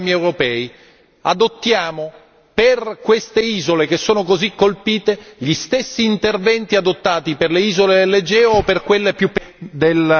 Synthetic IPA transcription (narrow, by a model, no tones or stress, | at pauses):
miɛwɾopɛːi | ad̪ot̪ːjaːmo | perkwest̪eiːzolek̟esːoːnokozikːolpiːt̪eʎist̪esːiːnt̪ervɛnt̪iad̪ot̪ːaːt̪iperleiːzoled̪elːed͡ʒɛːoːpːerkwelːepjupːd̪el